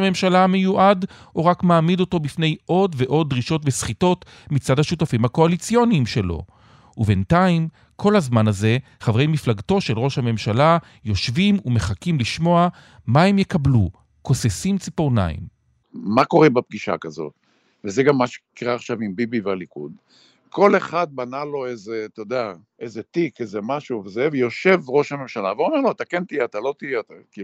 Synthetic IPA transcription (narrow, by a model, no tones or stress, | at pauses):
me̞mʃalame̞juʔad | oʁakmaːmido̞to̞bifne̞jʔo̞dve̞ʔo̞d̚ʁiʃo̞tvesχito̞t | mit͡sadhaʃutafimhako̞alit͡sijo̞nimʃe̞lo̞̰ | ube̞ntaim | kʰo̞lhazmanaze̞ | χavʁejmiflaɡto̞ʃe̞lʁo̞ʃhame̞mʃala | jo̞ʃvimume̞χakimliʃmo̞a | maemjekablu | ko̞sesimt͡sipoʁna̰ḭm | mako̞ʁebap̚ɡiʃa̰kazo̞̰t̪ | vezeɡamːaʃe̥kiʁaːχʃavimbibivealikṵd̪ | ko̞le̞χad̪̚banalo̞ezet̪od̪ea | ezet̪ikezemaʃuvzevjo̞ʃe̞vʁo̞ʃhame̞mʃalaveuameʁloat̪akent̪ieat̪alo̞t̪ijeat̪aki